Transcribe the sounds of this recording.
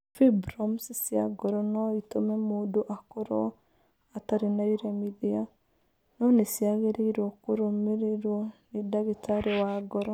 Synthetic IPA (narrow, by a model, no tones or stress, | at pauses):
fibɾɔmsisia̰ɡɔɾɔnɔitomɛmodoʔakoɾɔ̰ | ataɾinaiɾemiðia | nɔnesiaɣeɾeiɾwɔkoɾomeɾeɾwɔnedaɣitaɾewaɡɔɾɔ